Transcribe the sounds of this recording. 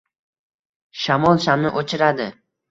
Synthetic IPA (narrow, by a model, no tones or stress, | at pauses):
ʃamɒlˠʃamnɪʔot͡ʃʰɪɾad̪ɪ